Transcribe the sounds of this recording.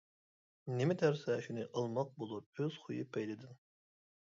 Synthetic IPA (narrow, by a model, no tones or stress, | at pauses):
nemɛt̪ʰæɾsɛʃinɪʔəlˠmɑq̚bolˠupøz̥χujɨpʰɛjd̪ɪd̪ɪn